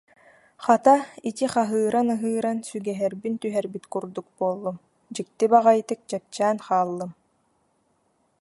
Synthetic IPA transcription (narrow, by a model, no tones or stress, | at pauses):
χat̪ait̪iχaɦɯːɾanɯɦɯːɾansyɡɛɦɛɾbint̪yɦɛɾbit̪kuɾd̪uk̚buɔlˠːum | d͡ʑɯk̚t̪ibaʁajt̪ɯk̚t͡ɕɛp̚t͡ɕæːnχaːlˠːɯm